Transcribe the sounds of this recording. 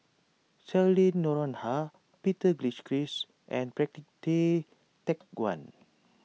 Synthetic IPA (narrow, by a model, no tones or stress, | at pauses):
sɛlĩnːɔɹɔ̃nha | pitəɡliskɹis | ʔɛ̰̃npɹɛk̚tik̚te | tɛk̚ɡwã̰n